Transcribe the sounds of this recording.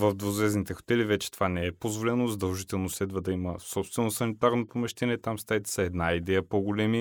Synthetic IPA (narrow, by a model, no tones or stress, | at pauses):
vəvd̪vozvɛznit̪ɛxo̥t̪ɛlivɛt͡ʃɛ̥t̪ovanɛɛpozvolɛnozɐd̪ɐlˠʒit̪ɛlˠnoslɛd̪vəd̪ɐiməsɔpst̪vɛnosɐnit̪aɾnopomɛʃt̪ɛniɛt̪amst̪aɛt̪ɛ̥sɐɛd̪naid̪ɛjəpoɡolɛmi